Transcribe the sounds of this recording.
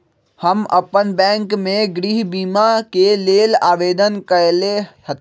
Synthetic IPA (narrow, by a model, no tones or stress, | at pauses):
həmə̰pənbɛ̃ːŋkmẽɡɾiɦbiːmakeleːlaːʋeːd̪ənkəlehət̪